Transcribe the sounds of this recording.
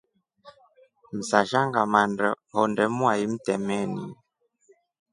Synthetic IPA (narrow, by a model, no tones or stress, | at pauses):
m̩saʃaŋɡamandɔ | ɦɔndɛmuaim̩tɛmɛnḭ